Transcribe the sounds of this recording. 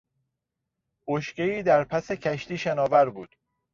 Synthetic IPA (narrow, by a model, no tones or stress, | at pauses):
oʃceiːd̪æɾpʰæsecʰæʃt̪iːʃænɒːvæɾbuːd̪̥